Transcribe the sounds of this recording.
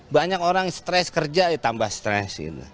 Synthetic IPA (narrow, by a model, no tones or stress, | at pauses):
baɲakoɾaŋst̪ɾɛskərd͡ʒajɛt̪ambahst̪ɾɛ̰sɡḭt̪ṵ